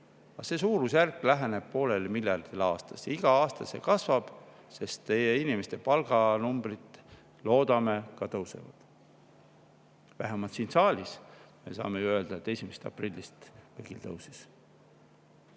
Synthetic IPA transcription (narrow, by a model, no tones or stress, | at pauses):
ɑse̞ːsuːɾusjærkːˑlæɦene̞b̥̚po̞ːle̞lemilʲjɑrd̪̥ilɑːst̪ɑ̥siɡ̥ɑɑːst̪ɑse̞̰kɑsvɑb̥ | se̞st̪ːe̞jeinimest̪e̞pɑlɡ̥ɑnumb̥rit̪ˑ | lo̞ːd̪̥ɑme̞kɑt̪ɤwse̞̰vɑ̰d̪̥ | væɦemɑlt̪siːnsɑːlʲisme̞̰sɑ̰ːmejuø̞ld̪̥ɑet̪ːe̞sʲimest̪ɑ̰prilʲːist̪veɡ̥ilt̪ɤ̰wsis